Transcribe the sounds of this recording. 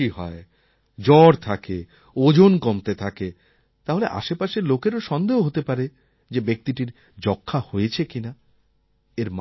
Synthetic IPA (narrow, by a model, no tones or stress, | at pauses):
iɦɔe | d͡ʑɔɾt̪ʰake | od͡ʑonkomt̪et̪ʰake | t̪aɦoleʔa̰ʃepaʃeɾlokeɾoʃɔnd̪eɦoɦot̪epaɾe | d͡ʑebek̚t̪iʈiɾ | d͡ʑɔkʰːahoet͡ɕʰekina | eɾm